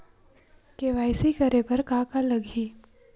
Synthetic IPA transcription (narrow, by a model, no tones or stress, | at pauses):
keʋaːɪsikɐɾepɐɾkaːkalɐɡʱiː